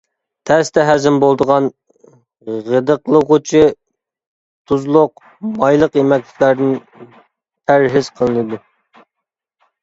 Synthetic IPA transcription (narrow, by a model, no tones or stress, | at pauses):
t̪ʰæst̪ɛɦæzɪmbolˠd̪əʁɑn | ʁəd̪əqlˠəʁʊt͡ʃʰɪ | t̪ʰuzlˠʊq | mɑjlˠəqemɛkʲlʲɪ̥kʲlæɾd̪ɪn | t̪ʰæɾɦɪz̥qʰəlˠɨnɨd̪u